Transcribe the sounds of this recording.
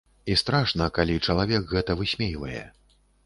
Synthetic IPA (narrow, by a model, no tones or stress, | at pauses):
ist̪ɾaʂnɐkalʲit͡ʂɐlˠavʲɛkɣɛt̪ɐvɨsʲmʲejvɐjɛ̰